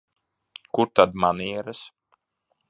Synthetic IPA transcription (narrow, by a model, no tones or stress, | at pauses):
kuɾt̪ad̪maniɛɾɨs